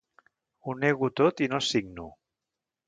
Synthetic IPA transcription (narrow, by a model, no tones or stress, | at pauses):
uneɣut̪ot̪inosiɡnu